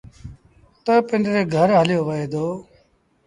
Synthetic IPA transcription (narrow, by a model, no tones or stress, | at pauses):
t̪oːpɪɳɖɾeːɡʱəɾɦəljoːʋəeːd̪oː